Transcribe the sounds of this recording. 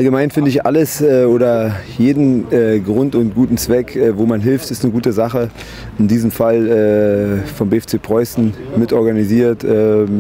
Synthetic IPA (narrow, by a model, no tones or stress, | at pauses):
ʔalɡəmaɪnfɪndəɪçʔa̰ləsɛːʔoːɾɐjeːdn̩ɛːɡʁʊntʊnt̚ɡ̥uːtn̩t͡sv̥ɛkɛːvoːmanɦɪlftɪstnəɡuːtəzaχə | ɪndiːzəmfalɛːfɔmbeɛft͡seːpʁ̥ɔʏsn̩mɪtʔɔɐɡaniziːɐtʔɛː